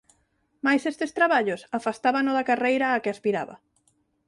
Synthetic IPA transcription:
majsest̪est̪ɾaβaʎosafast̪aβanoðakarejɾaːkeaspiɾa̰βa̰

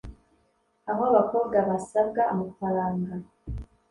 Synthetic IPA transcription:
aɦoaβako̞ːbɡaβasabɡaːmafaɾaːŋɡa

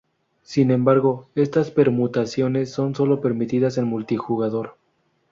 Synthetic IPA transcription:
sinẽ̞mbaɾɣo̞e̞st̪aspe̞ɾmut̪asjo̞ne̞sːo̞nso̞lo̞pe̞ɾmit̪iðasenmult̪ixuɣaðo̞ɾ

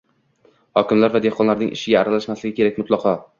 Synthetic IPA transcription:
hɒkʲɪmlaɾvad̪ehqʰɒnlaɾnɪ̰ŋʔɪ̰ʃɪɡʲaːɾalaʃmaslɪɡʲɪkʲʰe̞ɾak̚ʲmʊt̪lˠɑqʰɒ

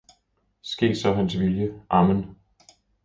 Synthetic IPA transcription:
sɡ̥e̝̰ːd̥sɒ̽ɦænsʋiljəʔɑ̈mən

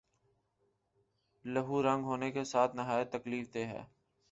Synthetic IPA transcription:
ləɦuːɾə̃ŋɡɦoːnekesaːt̪ʰnɪɦaːjət̪ːəkliːft̪eɦɛ̰ː

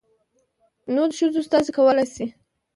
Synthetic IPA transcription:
nod̪əʃəzost̪ɑzekawəlajsi

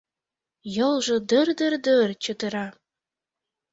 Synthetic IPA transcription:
jɤ̆lˠʒɤ̆d̪ərd̪ərd̪ərt͡ɕə̆d̪ə̆ɾɑ

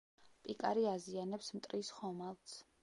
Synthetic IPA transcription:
pʼikʼa̰ɾiazianɛpsmt̪ʼɾisχɔmalˠt̪sʰ

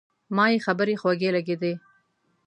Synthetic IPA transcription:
mɑjexabəɾexwaɡelaɡed̪e

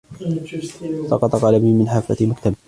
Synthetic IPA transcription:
sɑ̰qɑt̪ˤɑqalabnimɪnħafːa̰mʊkt̪am

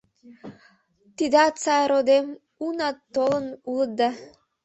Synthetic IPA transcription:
t̪id̪ɑt͡sɑjɾod̪em | unɑt̪ːolˠɤ̆nulˠɤ̆d̪ɑ

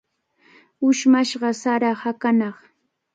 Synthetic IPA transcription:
ʊʃmaʃɢɑsaɾɑhakanɑχ

